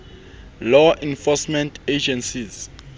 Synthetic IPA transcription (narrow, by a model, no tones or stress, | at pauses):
lɔʔĩnfɔsmɛ̃ntʰed͡ʒɛ̃nsiz